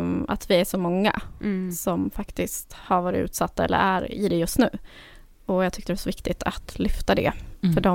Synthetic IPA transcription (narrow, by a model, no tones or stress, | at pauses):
a̰t̪ʰvɪæʂɔmɔŋːa̰sɔmfakt̪ɪst̪haɾvɑːɾɪ̰ʉ̟ːt̪sat̪ːaɛ̰lːə̰ɾæɾɪ̰d̪ɛjɵst̪nʉ̟ː | ɔjɑːɡt̪ʰʏkːt̪ədɛvasɔvɪkt̪ɪt̪ʰat̪lʏft̪ad̪ɛ̰fœɖɔ